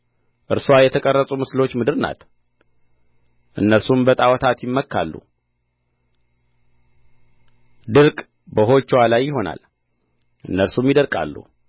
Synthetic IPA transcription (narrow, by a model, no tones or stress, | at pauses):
ʔɨɾswajɛt̪ʰəkʼərːəsʼumɨslo̞t͡ʃːmɨd̪ɨɾna̰t̪ | ʔɨnːəɾsumbət̪ʼawɔt̪ʰat̪jɪmːəkʰːa̰lːṵ | d̪ɨɾkʼ | bəɦo̞t͡ʃːwalajːɪɦo̞na̰l | ʔɨnːəɾsumjɪd̪əɾkʼa̰lːṵ